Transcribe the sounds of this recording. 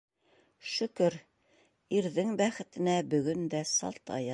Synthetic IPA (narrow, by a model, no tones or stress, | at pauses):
ʃɵ̆kɵɾ | iɾðɘŋbæχɘ̆t̪ɘ̆næbɵ̆ɡɵnd̪æsɑ̰lˠt̪ɑ̰jɑ